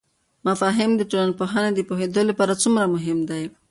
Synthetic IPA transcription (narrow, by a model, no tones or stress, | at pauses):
mafaɦɪmd̪əʈolanpoɦaned̪ipoɦed̪olepaɾat͡sumɾamʊɦɪmd̪aj